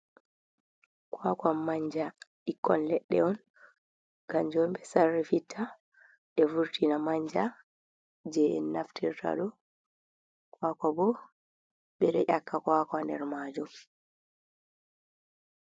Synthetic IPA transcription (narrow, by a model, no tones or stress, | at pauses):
kwakamːaɲd͡ʒa | ikːɔnlɛɗːɛ̰ɔn | ɡ̥amd͡ʒɔmbɛsarːifitʰːa | ɓɛvuɾtʰinamaɲd͡ʒa | d͡ʒɛɛ̰nːaftiɾtʰa̰ɗɔ | kwakabɔ | ɓɛɾɛʔakːakwakandɛ̰ɾmaːd͡ʒɔ